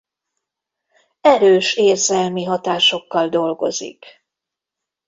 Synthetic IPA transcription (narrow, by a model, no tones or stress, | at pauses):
ɛɾøːʃeːrzɛlmiɦɒt̪aːʃo̞kːɒld̪o̞lɡo̞̰zḭk